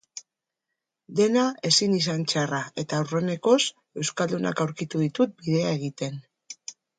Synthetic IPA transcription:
d̪e̞nae̞sinis̬ant͡ʃarae̞t̪awre̞ne̞ko̞s | e̞wskald̪una̰kawɾkit̪uðit̪ut̪̚biðe̞ae̞ɣ̞it̪e̞n

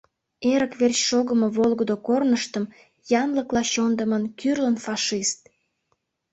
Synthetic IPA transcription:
eɾəkβerɕʃoɣəməβolɣəd̪okornəʃt̪əm | jɑnləklɑɕond̪əmənkyrlənfɑʃist̪

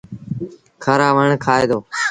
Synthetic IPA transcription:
kʰəɾaːʋəɳkʰaːeːd̪oː

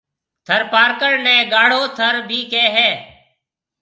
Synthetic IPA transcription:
t̪ʰəɾpaːɾkəɳnɛ̃ːɡaːɽ̤oːt̪ʰəɾbʱiːkeːɦɛː

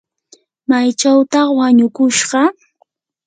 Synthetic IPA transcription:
majt͡ʃawt̪ɑχwaɲʊkʊʃɢɑ

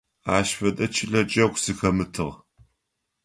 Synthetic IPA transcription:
aːʃfɐtʼɐt͡ʃʰɪɬɐt͡ʃʼɐkʷsɨxɐmɨtʰɨʁ

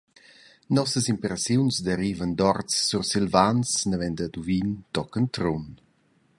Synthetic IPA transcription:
nɔsəsimpɾesjunsd̪əɾiːvənd̪ɔrt͡sːursilvansnəvɛnd̪əd̪uvint̪ɔkənt̪ɾun

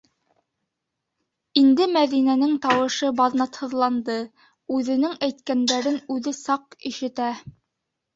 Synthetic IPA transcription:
ind̪ɘmæðinænɘŋt̪ɑwɤ̆ʃɤbɑðnɑt̪hɤ̆ðlˠɑnd̪ɤ | ʉðɘ̆nɘŋæjt̪kænd̪æɾɘnʉðɘsɑqiʃɘ̆t̪æ

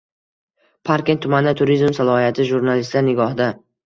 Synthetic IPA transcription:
pʰaɾkʲet̪ʰːʊmand̪at̪ʰʊɾizmsalˠɒhijat̪ʰɪʒuɾnalɪst̪laɾnɪɡɒhd̪a

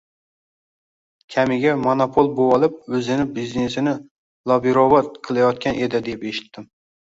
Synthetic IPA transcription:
kʲʰamɪɡʲamonopʰolˠbowɒlˠɪp̚ɵzɪnɪbizne̞sɪnɪ | lˠɒbiɾovat̪̚qʰɨlˠajɒt̪kʲanʔe̞d̪ɪd̪epe̞ʃɪ̥t̪ːɪm

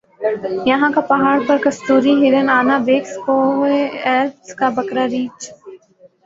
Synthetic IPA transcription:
jɐɦãːkapɐɦaːɽpɐɾkɐst̪uːɾiɦɪɾənaːnaːʋeːkspoːɦeːɾpskaːbɐkɾaːɾiːt͡ʃ

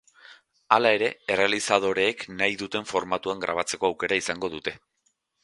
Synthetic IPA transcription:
alae̞ɾe̞ere̞alisað̞o̞ɾe̞ːknajðut̪e̞ɱfo̞ɾmat̪uaŋɡɾa̰β̞at͡se̞ko̞awke̞ɾaisaŋɡo̞ðut̪e̞

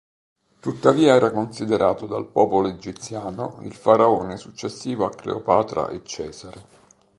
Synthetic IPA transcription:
t̪ut̪ːaviːaɛːɾakonsid̪eɾʔaːt̪od̪alpɔːpoloed͡ʒit̪sjaːnoḭlfaɾaoːnesut͡ʃːesːiːvoakːlḛopaːt̪ɾa̰ʔet͡ʃːɛːzaɾe

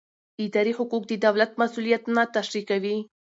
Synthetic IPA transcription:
ɪd̪ɑɾihʊkuk̚d̪əd̪awlat̪masulijat̪nat̪aʃɾikawi

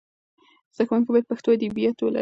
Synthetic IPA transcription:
z̥axmuŋkibajad̪̚paxt̪oad̪ibijat̪ola̰

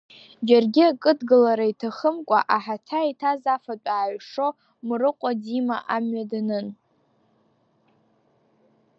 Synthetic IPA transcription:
d͡ʒarɡʲiakʼɨdɡɨlaɾaitʰaχəmkʷʼa̰ʔaħatʰaitʰazafat͡pʷʼaːɥʂo | mrɨqʷʼad͡zimaʔamɥadanɨn

